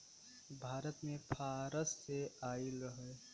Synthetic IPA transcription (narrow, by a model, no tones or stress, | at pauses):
bʱaːɾət̪mẽpʰaːɾəsːeaːiləɦɛ